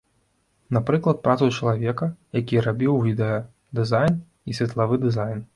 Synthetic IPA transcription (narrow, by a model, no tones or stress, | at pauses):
napɾɨklˠɐt̪̚pɾʔat̪sut͡ʂɐlˠavʲɛkɐjakʲirabʲiwvʲid̪ɛjɐ | d̪ɨzajn | isʲvʲɐt̪lˠavɨd̪ɨzajn